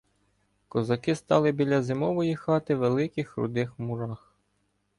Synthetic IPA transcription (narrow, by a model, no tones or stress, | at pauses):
kɔzɐkɪst̪ɑlˠɪbʲilʲɐzɪmɔʋɔjixɑt̪ɪʋelˠɪkɪxɾʊ̰d̪ɪxmʊɾɑx